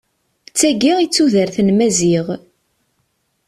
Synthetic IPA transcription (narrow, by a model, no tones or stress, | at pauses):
t͡sːæɡiʁit͡sːuðəɾθənmæziʁ